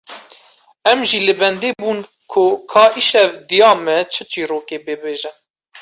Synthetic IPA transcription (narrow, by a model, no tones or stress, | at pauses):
ɛmʒilɨbɛnd̪eːbuːn | kʰʊkʰɑːʔiʃɛvd̪ijɑːmɛt͡ʃʰɨt͡ʃiːɾoːkeːbeːbeːʒɛn